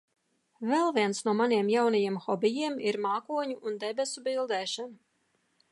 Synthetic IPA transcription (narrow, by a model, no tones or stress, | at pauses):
vɛlˠviɛnsnuɔmaniɛmjawnajiɛmxɔbijiɛmiɾmaːkuɔɲuʔːnd̪ɛbʲɛsubilˠd̪ɛːʃanu